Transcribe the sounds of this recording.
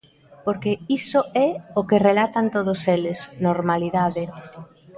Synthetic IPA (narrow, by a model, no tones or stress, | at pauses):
poɾkeisoɛokerelat̪ant̪oðoselɪsnoɾmaliðaðɪ